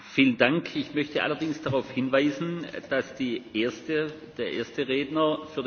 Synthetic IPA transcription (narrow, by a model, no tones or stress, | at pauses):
fiːləndaŋkʰɪçmœçtəʔa̰lɐdɪŋsd̥aʁaʊfhɪnvaɪzn̩d̥asd̥iːʔeːɐstə | d̥eːɐʔeːɐstəʁeːdnɐfyːɐ